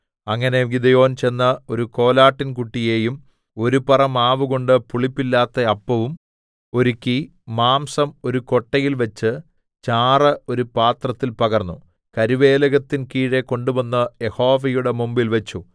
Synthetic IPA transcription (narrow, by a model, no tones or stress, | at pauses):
ɐŋːɐne̞ɡid̪ɐjo̞ːnt͡ɕe̞nːɐo̞ɾuko̞ːlaːʈːinkuʈːije̞ːjum | o̞ɾupɐrɐmaːʋuɣo̞ɳɖɨpuɭipːilːaːt̪ːɐɐpːɐʋum | o̞ɾukʲːi | maːmsɐmo̞ɾuko̞ʈːɐjilʋɐt͡ɕːɨ | t͡ɕaːrɐo̞ɾupaːt̪rɐt̪ːilpɐɣɐrnːu | kɐɾiʋe̞ːlɐɣɐt̪ːinkiːɻe̞ko̞ɳɖubɐnːɐje̞ho̞ːʋɐjuɽe̞mumbilʋɐt͡ɕːu